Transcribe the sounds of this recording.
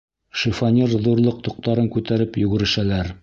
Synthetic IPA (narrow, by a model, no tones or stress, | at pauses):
ʃifɑnʲiɾðuɾlˠɤq̚t̪ŏq̚t̪ɑɾɤŋkʉt̪æɾɘpjɵɡɘ̆ɾɘ̆ʃælæɾ